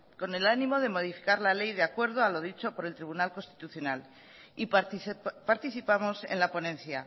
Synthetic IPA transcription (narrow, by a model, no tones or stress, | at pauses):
ko̞ne̞lanĩmo̞ð̞e̞mo̞ð̞ifi̥kaɾlale̞jðeakwe̞ɾð̞o̞alo̞ð̞it͡ʃo̞po̞ɾe̞lt̪ɾiβunalko̞nst̪i̥t̪uθjo̞nal | i | paɾt̪iθipamo̞se̞̰nlapo̞nẽ̞nθja